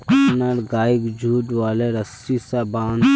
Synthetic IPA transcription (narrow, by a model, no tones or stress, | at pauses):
naɾɡaːɪkd͡ʒʱuːʈʋaːleɾɐsisabãːn